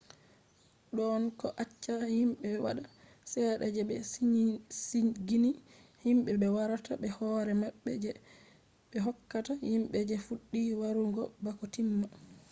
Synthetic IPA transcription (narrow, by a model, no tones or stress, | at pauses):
ɗɔnkɔʔat͡ʃːahimɓɛwa̰ɗa | sɛɗa̰d͡ʒɛɓɛ | siɡini | himɓɛɓɛwaɾataɓɛhɔɾɛmaɓːɛ̰d͡ʒɛ | ɓɛɦɔkːatahimɓɛd͡ʒɛfuɗːiwaɾuŋɡɔbakɔtimːa